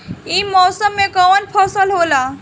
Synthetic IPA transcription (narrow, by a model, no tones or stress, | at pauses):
imɔsəmːekɔʋənpʰɔsəlɦola